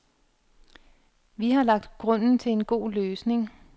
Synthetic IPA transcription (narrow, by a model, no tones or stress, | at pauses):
ʋihɑ̈lɑ̈ɡ̥̚d̥ɡ̥ʁɔ̽n̰n̩t͡sʰe̝lenɡ̥o̝̰ːløːsne̝ŋ